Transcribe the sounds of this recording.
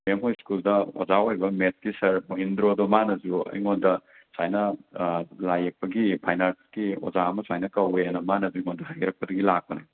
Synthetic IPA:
memɦojskuldɐo̰zaojbɐmet̚kisɐɾmoɦindɾodomanɐd͡ʒuɐ̰jŋondɐ | sajnɐ | lajɐk̚pɐɡipʰajnalskio̰zaɐmɐsajnɐkɐweanɐmanɐzujŋondɐɦajɾɐk̚pɐdɐɡilak̚pɐna

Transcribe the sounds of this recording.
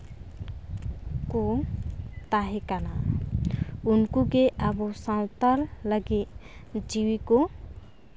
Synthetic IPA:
ko | t̪aɦekana | ʊnkukeʔabosãwt̪əlləɡed͡ʒiwiko

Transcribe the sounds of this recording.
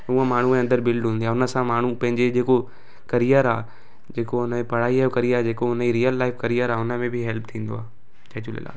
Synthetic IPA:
uːə̃maːɳ̤uẽɐnd̪əɾbɪlɖɦũːnd̪iaːʊnə̆sãmaːɳ̤upɐ̃ɦɪ̃ɲd͡ʑed͡ʑeːko | kɐɾijəɾaː | d͡ʑeːkoʊnəpɐɽ̤aːiaːjokɐɾijaːd͡ʑeːkoʊnəd͡ʑiɾijəlːaːɪfkɐɾijəɾaːʊnə̆mẽbʱɪɦɛlp̚t̪ʰĩːn̆d̪o̰aː | d͡ʑaːd͡ʑulɪ̰la̰ː

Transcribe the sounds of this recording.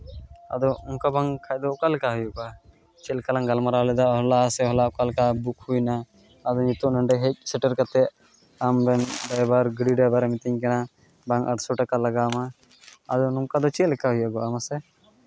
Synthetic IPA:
a̰d̪ɔuŋkabaŋkʰajd̪ɔkalkaɦujɔkɔa | t͡ʃɛlkalaŋɡalmaɾalɛd̪aɔɦlasɛɦɔlakalkabuk̚ʰhujnaː | d̪ɔɲit̪ɔʔnəɳɖɛɦec̚sɛʈəɾkat̪ɛ | ambɛnɖajbaɾɡɽiɖajbaɾmit̪iɲkɛna | baŋəʈsɔʈakalaɡama | a̰d̪ɔnɔmkad̪ɔt͡ʃɛlkaɦujaɡɔamasɛ

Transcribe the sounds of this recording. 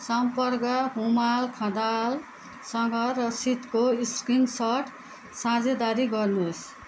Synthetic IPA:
sʌmpʌrkʌɦumalkʰãd̪al | sʌŋɡʌrʌsit̪koiskiŋsʌʈ | sãd͡zed̪aɾiɡʌrnus

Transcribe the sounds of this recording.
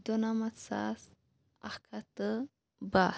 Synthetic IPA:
d̪onamasa̰s | akʰat̪ə | ba

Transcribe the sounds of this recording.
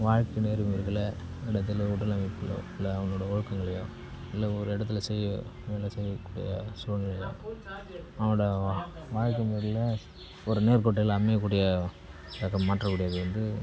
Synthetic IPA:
ʋaːɻkeneːɾɯmiːɾɣɐɭɐɪɽɐt̪̬ːɪlʊʈːɐlɐmɪpːɐlõ̰ɪlːɐɐʋɐŋnːoːɽɐɔɻɯkːɐŋɡɐɭɐjo̰ː | ɪlːɐɔɾɯɪɽɐt̪ːɪlɐsɛjːɐʋeːlɐsɛjːɐkːuːɽɪ̰jɐsuːnɡɐɭɐjõ̰ː | ɐʋɽɐʋaːɻkːɐmiːɾɪlɐ | ɔɾɯneːɾkɔʈːɛlaːmeːkːuːɽɪjɐ | t̪ɐkːɐmːaːʈrɐkːuːɽɪjaːðɐʋɐnd̪ɯ

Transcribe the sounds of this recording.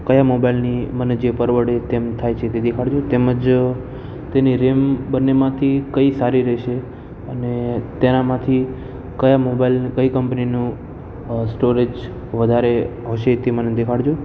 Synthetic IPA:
kəjamobailniməned͡ʒepəɾʋəɽet̪emt̪ʰajt͡ʃʰet̪ed̪ekʰaɽd͡ʒot̪eməd͡ʒ | t̪eniɾembənːemãt̪ʰikəisaɾiɾɛʃe | ənet̪enamãt̪ʰi | kəjamobailnkəikəmpninũ | sʈoɾed͡ʒ | ʋəd̪ʱaɾeɦoʃet̪eməned̪ekʰaɽd͡ʒo

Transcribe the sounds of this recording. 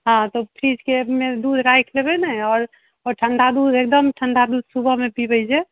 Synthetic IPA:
ɦãt̪opʰɾid͡ʒkemed̪ud̪ʱɾajkʰlebɛnɛɔːɾ | ɔɾʈʰənd̪ʱad̪ud̪ek̚d̪əmʈʰənd̪ʱad̪ud̪subʱəmepibəjd͡ʒɛ

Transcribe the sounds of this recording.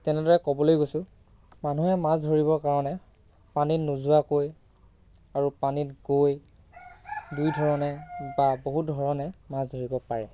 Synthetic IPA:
tɛnɛdɔɹɛkɔbɔlojɡojsʊ̃ | manuɦɛmasdʱoɹiβɔkaɹɔnɛ | paninuzuakoj | aɹupanitɡoj | dujdʱɔɹɔnɛbaboɦut̚dʱɔɹɔnɛmazdʱoɹibɔpaɹɛ

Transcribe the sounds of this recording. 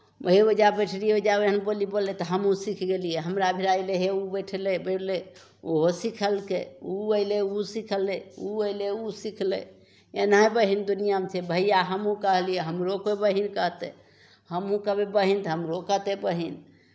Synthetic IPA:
ɦeod͡ʒabeʈʰlieod͡ʒabeɦənbolibolːet̪ɔɦəmɦũsikʰɡelieɦəmɾabʱiɾaileɦeubəʈʰlebeʈle | oɦosikʰəlkeuəɪleusikʰəlːeuəileusikʰlḛ | enəbəɦind̪unijamet͡ʃʰebʱəijaɦəmũkəɦlijeɦəmɾokmebəɦinkəɦt̪ḛ | həmɦũkəbebəɦint̪ɔɦəmɾokət̪ebəɦin

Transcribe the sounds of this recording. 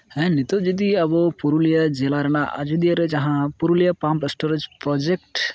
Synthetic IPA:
ɦɛ̃nit̪od͡ʒid̪iɐbɔpuɾulijəd͡ʒelaɾɛnaʔa̰d͡ʒud̪ijəɾed͡ʒɐɦãpuɾulijəpampesʈoɾed͡ʒpɾɔd͡ʒek̚ʈ

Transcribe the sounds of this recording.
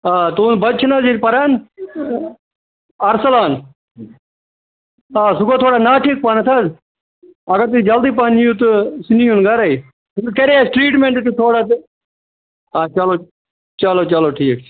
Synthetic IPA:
aːt̪unbɐt͡ʃʰnɐzipɐɾaːn | ɐɾsɐlaːn | aːsuɡoːt̪ʰoːɽanaːʈʰiːk̚pɐnat̪ʰɐz | ɐɡɐɾt̪id͡ʒɐld̪iːp̬anijũt̪usinijunɡɐɾɐi | suɡkɐɾiasʈɾiːʈmeɳʈt̪it̪ʰoːɽat̪ | aːt͡ʃɐloː | t͡ʃaloːt͡ʃɐloʈʰiːkʰ

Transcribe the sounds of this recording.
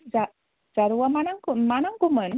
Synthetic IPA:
za | d͡ʒaɾuwamanaŋkumanaŋkumən

